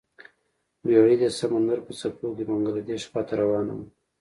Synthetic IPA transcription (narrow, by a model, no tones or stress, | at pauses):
waid̪esamand̪aɾpət͡sapokimʊŋɡalad̪eʃpɑt̪ʰaɾawɑːna̰m